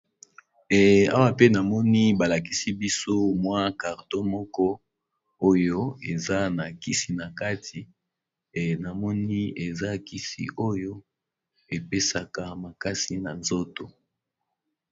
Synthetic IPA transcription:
ɛ˨a̰˦wa˦pe˦na˨mɔ˦ni˦ba˨la˨k̬i˦si˦bi˦so˦mwa˦ka˨ʁdo˦mɔ˦kɔ˦ | o˦jo˦e˨za˦na˨ki˦si˨na˨ka˦tʰi˨ | na˨mɔ˦ni˦e˨za˦ki˦sḭ˨ʔo˦jo˦ | e˨pe˦sa˨ka˨ma˨ka˦si˨na˨nzo˦to˨

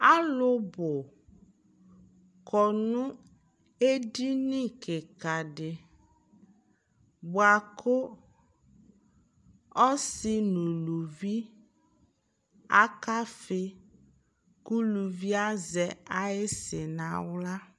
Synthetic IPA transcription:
a˦lʊ˦bʊ˨ | kʰɔ˨nũ˦ | e˦di˦nĩ˦kʰɪ˨ka˨ɖɪ˨ | bʊ˨a˨kʰʊ˦ | ɔ˦sɪ˦nũ˨lu˨vi˦ | a˦ka˦fɪ˦ | ku˦lu˨vi˦a˦zɛ˨a˦e˦sɪ˨nã˨wla˦

